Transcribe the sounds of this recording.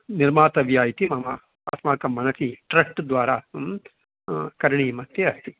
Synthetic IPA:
niɾmaːt̪ɐʋjaːjit̪imɐmɐ | asmaːkɐmːɐnɐsiʈɾɐʂʈd̪ʋaːɾa | kɐɾɳimɐt̪jeɐst̪i

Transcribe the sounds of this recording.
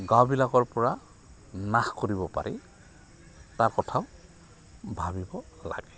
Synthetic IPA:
ɡawbilakɔɹpɔɹa | naxkoɹibɔpa̰ɹɛ | taɹkɔtʰaʊ | bʱabibɔ | la̰ɡɛ

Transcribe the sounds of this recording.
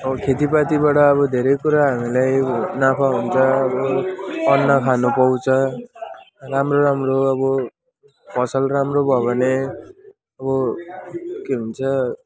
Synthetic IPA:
ʌkʰet̪ipat̪ibaʈʌːβʌd̪ʱeɾʌjkuɾaɦamilajnapʰaɦunt͡sʰʌʌbʌʌnːʌkʰanupʌw̃t͡sʰʌ | ramroɾamroʌbʌ | pʌsʌlramrobʱʌbʱʌne | ʌβʌ | keɦunt͡sʰʌ

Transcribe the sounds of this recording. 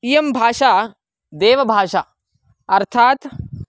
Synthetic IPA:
ijɐmbʱaːʂaː | d̪eːʋɐbʱaːʂaː | ɐɾt̪ʰaːt̪

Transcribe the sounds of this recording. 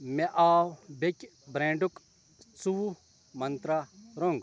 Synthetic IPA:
meʔaːwbekʲ | bɾẽːɳɖʊk | t͡suwu | mɐnt̪ɾaɾoŋɡ

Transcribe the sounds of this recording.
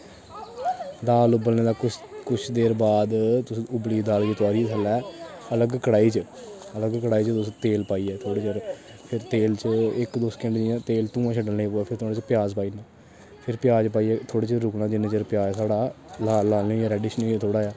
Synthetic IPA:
d̪aːlʊbəlnẽːd̪aːkʊkʊt͡ʃʰd̪eːɾbaːd̪t̪ʊsĩʊbliːd̪aːld͡ʒit̪ʊaːɾiːsʰəlɛːələɡkəɽaːiːt͡ʃəələɡkəɽaːiːt͡ʃət̪ʊsĩːt̪eːlpaːiːɛːt̪ʰoːɽeːt͡ʃəɾ | pʰɪɾt̪eːlt͡ʃəɪkd̪oːskɪ̃ɳɖd͡ʒijãːt̪eːlt̪ũːãːt͡ʃʰəɖəlnẽːpoːaːpʰɪɾt̪oːɽ̃eːt͡ʃəpɪjaːzpaːiːnãː | pʰɪɾpɪjaːd͡ʒpaːiːɛːt̪ʰoːɽeːt͡ʃəɾʊknãːd͡ʒɪnẽːt͡ʃəɾpjaːd͡ʒsaːɽaːlaːlaːlõːjaːɾɛːɖiːʃnə̃t̪ʰoːɽaːjaː

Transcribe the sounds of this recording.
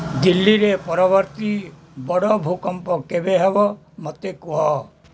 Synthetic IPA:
d̪ilːiɾepɔɾɔbɔɾt̪i | bɔɽɔbʱukɔmpɔkebeɦebɔ | mɔt̪ekuɦɔ

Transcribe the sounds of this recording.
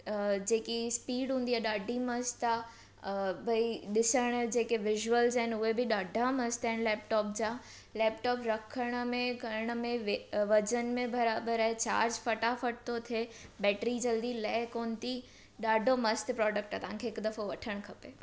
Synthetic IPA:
d͡ʑeːkispiːɽɦũːnd̪iaːɗaːɖʱimɐst̪a | bʱɐiɗɪsəɽ̃d͡ʑeːkeʋɪʒuəlzɛɦɪnʊɦebʱiɗaːɖʱamɐst̪ɛ̃ːnlɛːp̚ʈɔːp̚d͡ʑaː | lɛːpʈɔːpɾɐkʰəɽ̃mẽkɐɾəɽ̃mẽʋʋɐd͡ʑənmẽbɐɾaːbəɾaːɦet͡ɕa̰ːɾd͡ʑfɐʈafɐʈ̚t̪ot̪ʰebɛːʈɾid͡ʑɐld̪ilɛːɦkoːnt̪i | ɗaːɖʱomɐst̪pɾɔːɖək̚ʈaːt̪ɐʋãŋkʰeɪkd̪ɐfoʋɐʈʰəɽ̃kʰɐpeː

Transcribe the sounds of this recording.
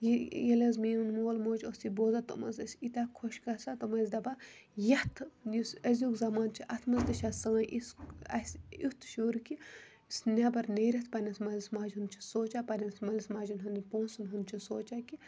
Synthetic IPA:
jijɐlɐzmiːunnoːlmoːd͡ʒosiboːzat̪o̰mɐ̰zɐsʲit̪aːkʰoʃkɐsat̪omɐzd̪ɐbajɐt̪ʰjusɐzʲjukzɐmaːnt͡ʃʰiʔɐt̪ʰmɐzd̪ɐʃasɐ̃ːʔisɐsʲut̪ʰʃoːɾki | snʲabɐɾneɾɐt̪ʰpɐnʲɐsmɐlʲɐsmaːd͡ʒɦund̪t͡ʃʰisoːt͡ʃapɐnʲɐnsmɐlʲɐsmaːd͡ʒunɦɐnipõːnsunɦunt͡ʃʰisoːt͡ʃaːki

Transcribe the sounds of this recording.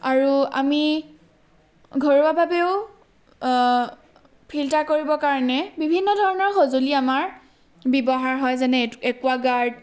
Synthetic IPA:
aɹua̰mi | ɡʱoɹuabʱabeʊ | pʰiltaɹkoɹibɔkaɹɔnɛbibʱinːɔdʱɔɹɔnɔɹxozoliamaɹ | bibɔɦaɹɦɔjzɛnɛɛkuaɡaɹd

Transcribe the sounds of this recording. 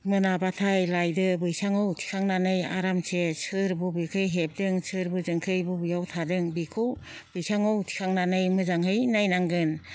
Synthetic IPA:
mɯnabatʰajlajdɯbɯjsaŋɯwtʰi̥kʰaŋnanɯja̰ɾamsesʰɯɾbubɯkʰɯjɦep̚dɯŋsʰɯɾbɯzɯŋkʰɯjbɯbɯjawtʰadɯŋbikʰub̥ɯjsaŋɯwtʰi̥kʰaŋnanɯjmɯzaŋhɯjnajnaŋɡɯn

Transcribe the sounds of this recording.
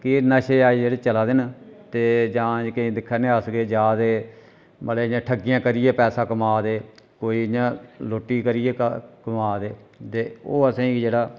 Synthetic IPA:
kɪnəʃeːaːid͡ʒeːɽeːt͡ʃəlaːd̪ɪnt̪eːd͡ʒãːd͡ʒkəĩːd̪ɪkʰːnẽːəsɡeːd͡ʒaːd̪eː | bəleːɪɲãːʈʰəɡːɪjãːkəɾɪjeːpɛːsaːkəmaːd̪eːkoːiːɪɲãːloːʈːiːkəɾɪjeːkəmaːd̪eːt̪eːoːəsãːĩːd͡ʒeːɽaː

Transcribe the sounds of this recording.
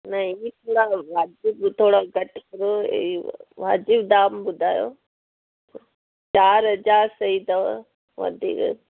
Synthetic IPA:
nɐit̪ʰoːɽaʋaːd͡ʒɪbt̪ʰoːɽaɡɐʈkɐɾoḛʋa̰ːd͡ʒɪbd̪aːmbʊd̪ʱaːjo̰ː | t͡ʃaːɾɦɐd͡ʒaːɾsɐid̪ɐʋ | ʋɐ̰d̪ʱḭk

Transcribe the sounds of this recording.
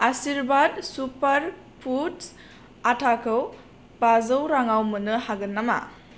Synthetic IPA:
asiɾbad̚supɐɾ | pʰuts | atʰakʰɯw | bazɯwɾaŋawmɯnɯhaɡɯnːama̰

